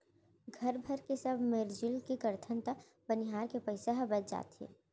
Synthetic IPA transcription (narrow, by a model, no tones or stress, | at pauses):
ɡʱɐɾbʱɐɾkesɐbʱmeɾd͡ʒɪlkikɐɾt̪ʰənt̪ə | bənɪɦaːɾkepɐɪsəɦbət͡ʃd͡ʒa̰ːt̪ɦḛː